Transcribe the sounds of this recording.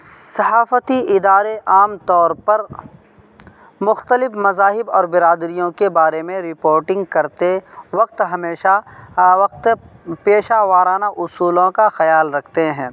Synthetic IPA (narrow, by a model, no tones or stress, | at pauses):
sɐɦaːfət̪iɪd̪aːɾeʔaːmt̪ɔːɾpɐɾ | mʊxt̪əlɪfmɐzaːɦɪbɔːɾbɪɾaːd̪ɾijõkebaːɾemẽɾɪpoːɾʈɪ̃ŋɡkɐɾt̪eʋɐq̚t̪ɦɐmeːʃaʋɐq̚t̪peːʃaʋaːɾaːnaʔʊsuːlõkaxɐjaːlɾɐkʰt̪eɦɛ̃ː